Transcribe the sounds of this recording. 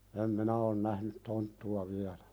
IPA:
em minæ on næhnyt tontːuɑ ʋiælæ̥

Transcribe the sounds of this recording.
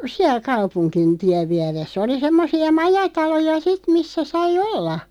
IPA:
siæl kɑupunkin tiæʋ ʋiæresː oli semːosiɑ mɑjɑtɑlojɑ sit misːæ sɑi olːɑ

